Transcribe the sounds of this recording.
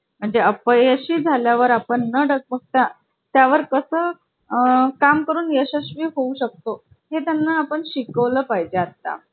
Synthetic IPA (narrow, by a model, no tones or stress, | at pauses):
m̤əɳd͡zeəpəjəɕiːd͡zʱaljaʋəɾapəɳːəɖək̚pək̚t̪a | t̪jaʋəɾkəsəː | kamkəɾuːnjəɕəɕʋiːɦouɕək̚t̪o | ɦet̪janːaːpəɳɕikəʋləːpajd͡ʑeat̪a̰